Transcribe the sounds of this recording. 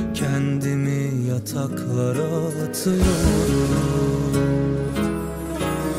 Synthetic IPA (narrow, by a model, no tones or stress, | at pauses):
cʲʰænd̪inijɑt̪ʰɑkʰlˠɑɾɑ | t̪ʰɯɾuɾu